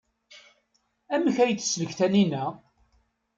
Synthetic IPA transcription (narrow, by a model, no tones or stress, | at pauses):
æməçæjt͡s̪ːsːləçθæninæ